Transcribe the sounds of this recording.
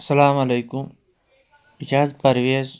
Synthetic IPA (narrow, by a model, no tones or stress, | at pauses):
sɐlaːmɐleːkum | id͡ʒaːzpɐɾʋeːz